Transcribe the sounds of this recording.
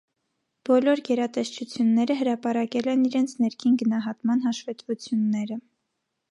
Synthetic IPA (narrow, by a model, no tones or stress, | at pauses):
b̥ɔlɔɾɡɛɾɑt̪ɛʃt͡ʃʰut͡sʰjunːɛɾəɦəɾɑpɑɾɑkɛlɛniɾɛnt͡sʰnɛɾkʰinɡənɑɦɑt̪mɑn̪ɦɑʃvɛt̪vut͡sʰjunːɛɾə